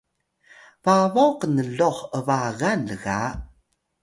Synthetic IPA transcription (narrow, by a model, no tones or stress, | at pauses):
vavowqənəɮoχəvaɣanləɣa